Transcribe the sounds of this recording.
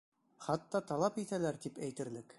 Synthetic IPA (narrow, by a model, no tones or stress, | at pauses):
χɑt̪ːɑt̪ɑlˠɑpit̪ælæɾt̪ipæjt̪ɘ̆ɾlɘk